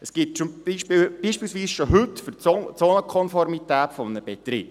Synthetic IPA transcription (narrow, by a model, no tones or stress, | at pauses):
əsɡ̥ɪtt͡ʃʊmiʃpb̥iːʃpiːlsʋiːsʃoɦɵtfʏrt͡soːnəkʰɔnfɔɾmitæːtfɔmənəb̥et̪ɾɪːb